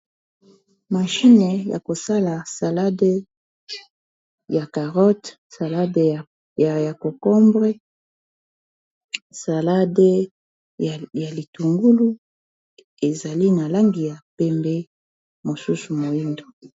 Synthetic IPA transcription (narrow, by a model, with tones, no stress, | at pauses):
ma˨ʃi˦ne˨ja̰˨ko˨sa˦la˨sa˨la˦de˦ | ja˨ka˨ʁɔ˦t | sa˨la˦d | ja˨ko˨kɔ˦mbʁɛ˦ | sa˨la˦de˦˨ | ja˨li˨tu˨ŋɡu˦lu˦ | e˨za˨li˦na˨la˦ŋɡi˨ja˨pɛ˦mbɛ˦ | mo˨su˦su˨mo˨i˦ndo˨